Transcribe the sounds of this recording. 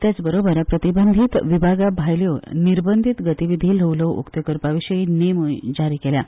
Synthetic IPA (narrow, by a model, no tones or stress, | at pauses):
t̪jat͡sbəɾobəɾpɾət̪ibənd̪ʱit̪ʋibʱaɡabʱajljoniɾbənd̪ʱit̪ɡət̪iʋid̪ʱiːlɦəwləwʔṵkt̪əkəɾpaʋiɕəiːnemujd͡zaɾiːkelja